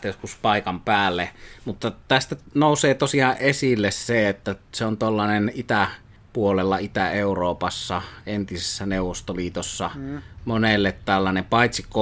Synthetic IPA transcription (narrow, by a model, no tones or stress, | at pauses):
t̪æjoskuspɑˑikɑmpæːlːemut̪ːɑt̪æst̪ænoˑuseːt̪osiɑʔʔesilːesseet̪ːæseont̪olːɑnenit̪æ | puolelːɑit̪æeuroːpɑsːɑent̪isesːæneuwˑʋost̪oliːt̪osːɑmonelːet̪t̪ælːɑnempɑˑit̪sikːˑo